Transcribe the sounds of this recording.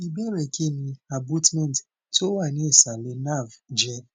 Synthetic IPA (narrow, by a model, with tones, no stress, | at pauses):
i˨be˦ɾe˨ke˦ni˨a˨bu˦tmɛ˦˨n˨t | to˦wa˨ne˦e˨sa˨le˨na˦˨vd͡ʒɛ˦